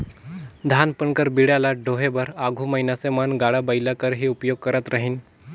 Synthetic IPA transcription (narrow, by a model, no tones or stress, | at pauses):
d̪ʱanpəɳkəɾbiɽjalaɖʱoɦebəɾaɡʱuːməjnasemanɡaɽabəjlakəɾɦiupjoɡ̚kəɾat̪ɾaɦiːn